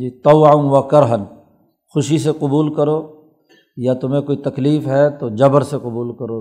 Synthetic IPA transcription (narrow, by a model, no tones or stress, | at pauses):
d͡ʒiːt̪ɔʋaʋɐkɐɾɦən | xʊʃiseqʊbuːlkɐɾoː | jat̪ʊm̤ẽkoːit̪ɐkliːfɦɛt̪od͡ʒɐbəɾseqʊbuːlkɐɾoː